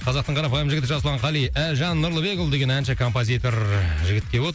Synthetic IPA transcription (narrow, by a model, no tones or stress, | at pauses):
qʰɑzɑq̚t̪əɴqʰɑɾɑpɑjəmʒɪɡʲɪt̪ɪʒɑslˠɑɴqʰɑlˠijæʒɑnːʊɾlˠəbe̞kʊlˠd̪e̞ɡʲe̞nænʃɪkʰo̞mpozʲijt̪o̞ɾʒɪɡʲɪt̪̚kʲe̞wot̪əɾ